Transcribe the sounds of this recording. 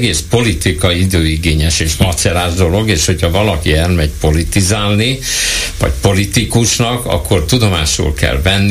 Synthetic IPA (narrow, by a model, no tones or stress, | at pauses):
ɡeːspo̞lit̪ikɒiid̪øːiɡeːɲɛʃeːʃmɒt̪sɛlaːʒd̪o̞lo̞ɡeːʃho̞cʰhɒvɒlɒkiɛlmɛɟpo̞lit̪izaːlnivɒ̰cpo̞lit̪ikuʃnɒkɒ̰kːo̞rt̪ud̪o̞maːʃṵːlkɛ̰lvɛnː